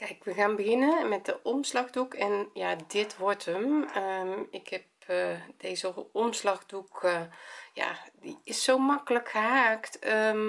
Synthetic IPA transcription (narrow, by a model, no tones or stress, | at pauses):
kɛjkʋəɣaːnbəɣɪnəmɛt̚dəʔɔmslɑɣdukɛnjadɪtʰʋɔɹtʰəməɪkhɛp̚d̥eːzəɔmslɑɣduk | ja̰diɪsːowmɑkələkxəɦaːktə